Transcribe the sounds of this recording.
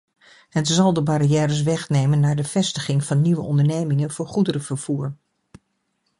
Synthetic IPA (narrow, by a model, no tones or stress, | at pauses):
ɦətzɑlˠdəbaɾijɛːɾəs̬ʋɛχnejmənːaːɹdəv̥ɛstəχɪŋvɑnːiʋəɔndəɹnejmɪŋənv̥ʊːɹχudəɾəv̥əɹv̥uːɹ